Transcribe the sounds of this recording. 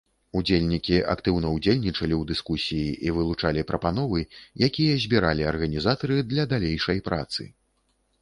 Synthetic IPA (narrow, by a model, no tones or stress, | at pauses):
ud͡zʲelʲnʲikʲiʔa̰kt̪ɨwnɐud͡zʲelʲnʲit͡ʂɐlʲiwd̪ɨskusʲijiʔivɨlˠut͡ʂalʲipɾɐpan̪ɔvɨjakʲijɐzʲbʲiɾalʲiɐrɣɐnʲizat̪ɐɾɨd̪lʲɐd̪alʲejʂɐjpɾʔa̰t̪sɨ̰